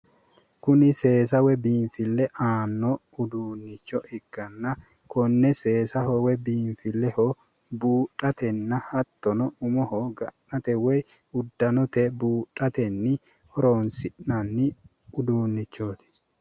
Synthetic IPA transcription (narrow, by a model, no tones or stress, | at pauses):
kʊnɪse̞ːsɐwɛbiːɱfɪlːɛʔaːnːɔ | ʊd̪uːnːɪt͡ʃːɔʔɪɡ̥ːɐnːɐ | kɔnːɛse̞ːsɐhɔwɛbiːɱfɪlːɛho | buːtʼːɐt̪ɛnːɐhɐt̪ːɔnɔʊmɔhoɡɐnːɐt̪ɛwɛj | ʊd̪ːɐnɔt̪ɛbuːtʼːɐt̪ɛnːɪ | ɔɾoːnsɪᶑnɐnːɪ | ʊd̪uːnːɪt͡ʃːoːt̪ɪ̥